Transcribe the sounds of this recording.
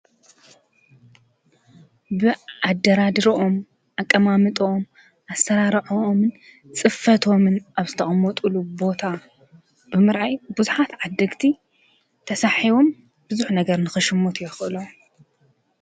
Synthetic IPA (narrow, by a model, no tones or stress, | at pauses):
bɨad̪ːɐɾad̪ɨɾoʔom | ʔakʼːɐmamɨt̪ʼoom | ʔasɐɾaɾʕoomɨn | t͡sʼɨfːɐt̪ʰo̞mɨnʔaβzɨt̪ʰɐχʼmɔt̪ʼulubo̞t̪ʰa | bɨmɨɾʔajbuzuħat̪ʕad̪ːɐɡt̪ʰi | t̪ʰɐsaħiβo̞m | bɨzuħnɐɡɐɾnɨxɨʃɨmːot̪ʰjɛxʔɨlo